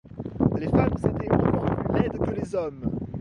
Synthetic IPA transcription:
lefamzet̪emɛ̃mɛ̃plylɛd̪kəlezɔm

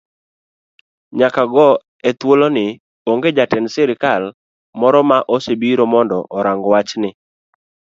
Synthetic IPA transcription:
ɲakaɡɔ | ɛt̪wolonɪ | oŋɡed͡ʒatɛnsɛɾɪkal | mɔɾɔmaʔosebiɾomɔndɔʔɔɾaŋɡɔwat͡ʃnɪ

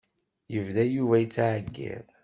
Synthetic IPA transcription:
jəvðæjuvæjət͡sːʕəɡːḛð

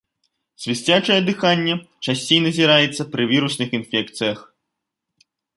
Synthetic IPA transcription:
sʲvʲisʲt͡sʲat͡ʂɐjɛd̪ɨxanʲːɛt͡ʂasʲt͡sʲejnɐzʲiɾajɛt̪sːɐpɾɨvʲiɾusnɨxinfʲɛkt̪sɨjɐx

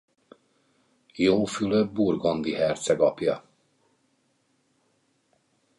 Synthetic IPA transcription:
joːfyløburɡo̞nd̪iɦɛrt̪sɛɡɒpjɒ

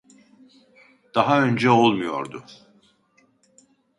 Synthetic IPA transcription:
d̪̥aɦaø̞nd͡ʒɛolˠmujo̰ɾd̪ʊ

